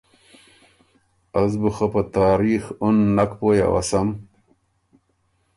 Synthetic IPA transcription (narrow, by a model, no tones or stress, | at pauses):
ɐzbuxɐpɐt̪aːɾiːxunːɐkpoːja̰wɐ̰sɐm